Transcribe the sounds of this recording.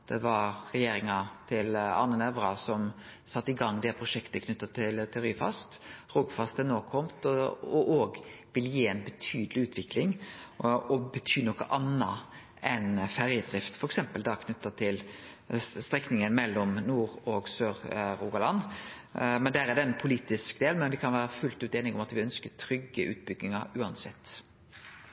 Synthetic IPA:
d̪̥ɛʋɑɾʁɛjeːɾɪŋɑt̪ʰɪlɑ̰nːənɛʋɾɑsɔmsɑt̪ːɪɡɑŋːd̪ɛpʰɾʊʂɛkt̪əkʰnʉt̪ːɑt̪ʰɪlt̪ʰɪɾyːfɑ̰st̪ʁuːɡfɑst̪ənoːkʰɔmt̪ɔʔoːɡʋɪljiːɛnbət̪ʰyːd̪əlɪʉːt̪ʰʋɪklɪŋ | ɔbət̪ʰyːnɔkːə̰ʔɑnːɑ̰ | ʔɛnfæʁjəd̪ʁɪft̪fɔɾɛksɛmpəld̪ɑkʰnʉt̪ːɑt̪ʰɪl | st̪ʁɛknɪŋənmɛlːɔmnuːʁɔɡsøːɾɾuːɡɑlɑn | mɛnd̪ææɾɛd̪ɛɛnpʰʊliːt̪ɪskd̪eːlnmɛnʋɪkʰɑnʋæːɾəfʉlt̪ʉːt̪eːnɪŋɔmɑt̪ʋɪœnskət̪ʰɾʏɡːəʔʉ̰ːt̪̚bʏɡːɪŋɑɾʉːɑnsɛ̰t̪ː

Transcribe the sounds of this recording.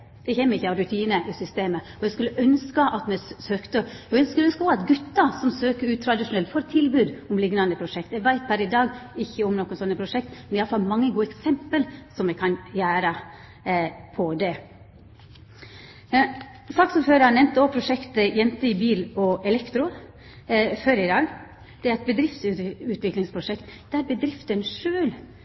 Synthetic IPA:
d̪̥ɛçɛmːəɾɪçːəɑʋɾʉt̪ʰiːnəʔɪsʏst̪eːmə | ɔjɛskʉlːəʔœnskəʔɑt̪mɛsøːkt̪əɛœnskʉlːœnskəɔɑt̪ɡʉt̪ːɑsɔmsøːkəɾʉːt̪ʰɾɑd̪ɪʂʊnɛlt̪fɔɾt̪ʰɪlbʉːd̪ɔmlɪɡnɑnd̪əpʰɾʊʂɛk̚t̪æʋæɪt̪̚bæɾɪd̪ɑːɡɪçːəɔmnɔkːənsɔnːəpʰɾʊʂɛk̚t̪mɛnɛjɑləfɑlmɑŋːəɡuːəɛksɛmpəlsɔmɛkʰɑnjæːɾə | pʰɔd̪ɛ | sɑksɔmføːɾəɑnɛmt̪ɔpʰɾʊʂɛkt̪əjɛnt̪əɪbiːlɔɛlɛkt̪ɾʊ | føɾɪd̪ɑːɡ | d̪̥ɛæɾɛt̪̚bəd̪ɾɪft̪sʉʉːt̪ʋɪklɪŋspʰɾʊʂɛkt̪d̪ɛæɾbəd̪ɾɪft̪ənʂøːl

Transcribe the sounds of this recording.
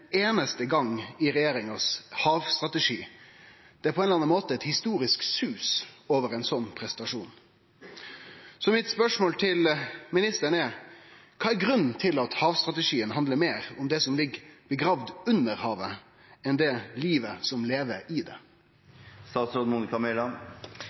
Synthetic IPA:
eːnəst̪əɡɑŋːɪɾɛjeːɾɪŋɑshɑːʋst̪ʁɑt̪ɛʂiː | d̪̥ɛæpɔɛnɑnɑnmoːt̪əɛt̪hɪst̪uːɾɪsksʉːsoːʋəɾɛɪnsɔnːpʰɾɛsənt̪ɑʂuːn | sɔmɪt̪spœʂmoːlt̪ʰɪlmɪnɪst̪əɾnɛɾkʰɑːæɾɡɾʉnːn̩t̪ʰɪlɑt̪hɑːʋst̪ʁɑt̪ɛʂiːənhɑnd̪ləɾmeːɾʊmd̪ɛsɔmlɪɡb̥əɡɾɑːʋd̪ʉnːəɾhɑːʋə | ɛnd̪ɛliːʋəsɔmleːʋəɾɪd̪ɛ̰ | st̪ɑːt̪sɾoːd̪muːnɪkɑmɪlɑ

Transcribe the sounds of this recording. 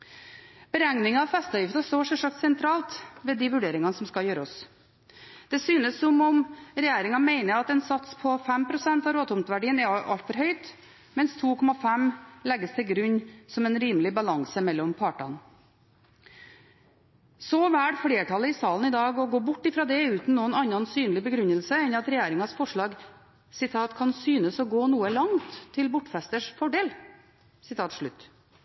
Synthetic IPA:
b̥əɾɛŋnɪŋɑɑʋfɛst̪ɑjɪft̪ɑst̪oːʂɔʂɑk̚t̪sɛnt̪ʰɾɑːlt̪ʋɛːd̪iːʋʉɖeːɾɪŋɑnəsɔmskɑjøːɾəɔs | d̪̥ɛsyːnəsːɔmɔmɾɛjæːɾɪŋɑmeɪnəɾɑt̪ɛnsɑt̪spʰɔfɛmpʰɾʊsɛnt̪ɑɾoːt̪ʰʊmt̪ʋæɖiːənɛɾʔɑ̰lt̪fɔɾɦœʏt̪ | mɛnst̪ʰuːkʰɔmɑfæmlɛɡːəst̪ʰɪlɡɾʉɲːsɔmɛnɾiːmlɪbɑlɑŋsəmɛlːɔmpʰɑːʈɑ̰n | sɔʋæːɽfɽeːʈʰɑləɪsɑːln̩ɪd̪ɑːɡɔɡoːbʊʈːɪfɾɑːd̪ɛʉːt̪n̩nuːənɑnːɑnsyːnlɪbəɡɾʉɲːəlsəɛnɑt̪ɾɛjæːɾɪŋɑsfɔʂɭɑːɡ | sɪt̪ʰɑːt̪kʰɑnsyːnəsɔɡoːnuːəlɑŋt̪ʰːɪlbʊʈːfɛst̪əʂfɔɖeːl | sɪt̪ʰɑːt̪ʂɭʉ̰t̪ː

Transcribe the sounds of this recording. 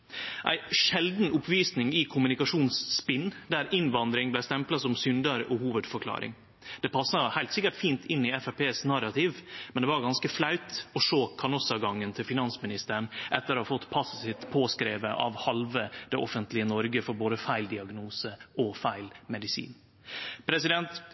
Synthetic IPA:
ʔæ̰ɪʂɛld̪n̩ʊpʰʋiːsnɪŋɪkʰʊmʉnɪkɑʂuːnsːpɪnːd̪æɾɪnʋɑnd̪ɾɪŋblæɪst̪ɛmplɑsɔmsʏnd̪əɾɔhuːʋəd̪fɔkʰlɑ̰ːɾɪ̰ŋ | d̪̥ɛpʰɑsːɑhæɪlt̪sɪkːəʈfiːnt̪ɪnːɪɛfæpʰeːsnɑɾɑt̪ʰiːʋmɛnd̪ɛʋɑɾɡɑnskəflɑʉt̪ɔʂoːkʰɑnɔsɑɡɑŋːənt̪ʰɪlfɪnɑnsmɪnɪst̪əɾɳʔɛt̪ːəɾɔhɑfɔt̪ːpʰɑssɪt̪pʰoːskɾeːʋəʔɑ̰ʋhɑlʋəd̪ɛʔɔfənt̪lɪənɔɾɡəfɔɾboːd̪əfæɪld̪ɪɑɡnuːsəʔɔfæɪlmɛd̪ɪsḭːn | pʰɾɛsɪd̪ɛnt̪

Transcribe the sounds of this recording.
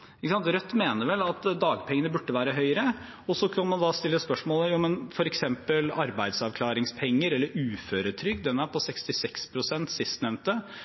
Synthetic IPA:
ɪkəsɑnt̪ɾœt̪ːmeːnəɾʋɛlːɑt̪d̪ɑːɡpʰɛŋənəbʉʈːəʋæːɾəɦœʏəɾə | ɔsːɔkʰɑnmɑnd̪ɑst̪ɪlːəspœʂmoːləjuːmənfɔɾɛksɛmpəlɑɾbæɪd̪sɑʋkʰlɑːɾɪŋspʰɛŋːəɾɛlːəɾʉːføːɾət̪ʰɾʏk̚ːd̪ɛnːæɾpʰɔsɛkst̪ɪsɛkspʰɾʊsɛnt̪sɪst̪nɛʋnt̪ə

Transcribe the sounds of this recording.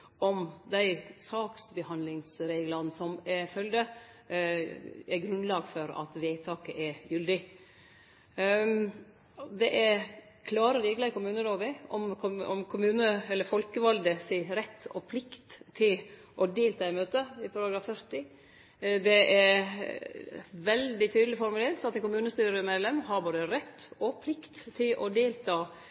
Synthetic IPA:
ɔmd̪æɪsɑːksbəhɑnlɪŋsɾeːɡlɑnsɔmɛfœld̪ə | æɡɾʉnlɑːɡfɔɾɑ̰t̪ʋeːt̪ʰɑːkəʔɛjʉld̪ɪ | d̪ɛʔɛɾ | kʰlɑːɾəʋɪːɡləkʊmʉːnəloːʋəɔmʰɔɔ̰mkʰʊmʉːnəɛlːəɾfɔlkəʋɑld̪əsiːɾɛt̪ʰːɔ̰pʰlɪkt̪ʰːɪl | ʔɔd̪eːlt̪ʰɑːɪmøːt̪əɪpʰɑɾɑɡɾɑːfœɾt̪ɪ | d̪ɛʔɛ | ʋɛld̪ɪt̪ʰyːd̪lɪfɔɾmʉleːɾt̪ɑt̪ːɛnkʊmʉːnəst̪yːɾəmeːd̪lɛmɦɑɾboːd̪əɾɛt̪ʰːɔpʰlɪkt̪ʰːɪlʔɔd̪eːlt̪ʰɑː

